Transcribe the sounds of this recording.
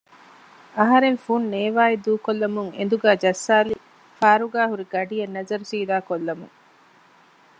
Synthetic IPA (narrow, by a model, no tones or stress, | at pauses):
ɐɦɐɾenfunneːʋaːid̪uːkolːɐmuŋend̪uɡæːd͡ʒɐsːaːli | faːɾuɡaːɦuɾiɡɐɖijɐnːɐzɐɾusiːd̪aːkolːɐmṵŋ